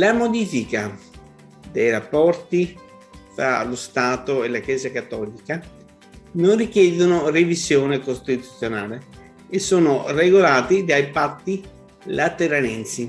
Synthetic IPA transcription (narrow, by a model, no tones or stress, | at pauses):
lamod̪iːfika | d̪ejrapːɔrt̪i | fɾa̰lost̪aːt̪oelakjɛːzakat̪ːɔːlika | nonrik̟jɛːd̪onorevizjoːnekost̪it̪ut̪sːjonaːle | esːoːnoreɡolaːt̪id̪ajpat̪ːi | lat̪eɾanɛnt̪si